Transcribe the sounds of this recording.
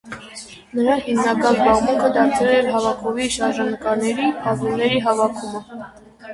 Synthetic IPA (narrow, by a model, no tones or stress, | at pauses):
nəɾɑhimnɑkɑnzbɑʁmuŋkʰəd̪ɑɾt͡sʰɛlɛɾɦɑvɑkʰɔviʃɑɾʒɑnəkɑɾnɛɾipʰɑzumnɛɾiɦɑvɑkʰumə